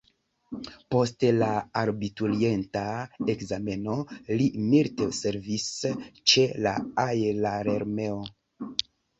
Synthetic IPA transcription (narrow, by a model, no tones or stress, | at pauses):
po̞stelaaɾbitulientaekzame̞no̞limiltese̞ɾvist͡ʃe̞la̰ajlaɾeɾme̞o